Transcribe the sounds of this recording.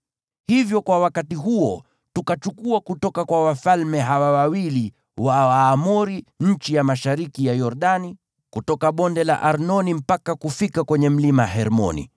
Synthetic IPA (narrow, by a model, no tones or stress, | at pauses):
hivjɔkwawakatiɦuɔ | tukat͡ʃukuakutɔkakwawafalmɛɦawawawili | waaːmuɾiɲ̩t͡ʃijamaʃaɾikijajɔɾɗani | kutɔkaɓɔndɛla̰ʔaɾnɔnim̩pakakufikakwɛɲɛm̩limaɦɛɾmɔ̰nḭ